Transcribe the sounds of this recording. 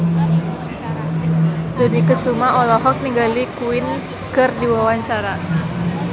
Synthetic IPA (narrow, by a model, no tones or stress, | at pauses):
dɔnikəsumaʔɔlɔɦɔk̚niɡalikuɪn | kɨrdiwawaɲt͡ʃaɾa